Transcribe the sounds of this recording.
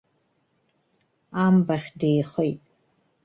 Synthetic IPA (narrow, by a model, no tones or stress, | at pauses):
aːmbɐχʲdeːχəj